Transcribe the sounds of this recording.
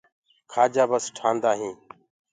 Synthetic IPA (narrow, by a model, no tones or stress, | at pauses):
kʰaːd͡ʒaːbəsʈʰaːnd̪aːɦĩː